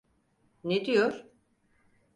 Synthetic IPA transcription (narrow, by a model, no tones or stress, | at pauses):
ned̪ijoɾ